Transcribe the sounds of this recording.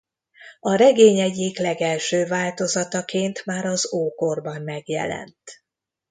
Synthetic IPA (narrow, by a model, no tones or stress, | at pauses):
ɒɾɛɡeːɲɛɟiklɛɡɛlʃøːvaːlt̪o̞zɒt̪ɒkeːnt̪maːɾɒzoːkorbɒmːɛɡjɛ̰lɛ̰nt̪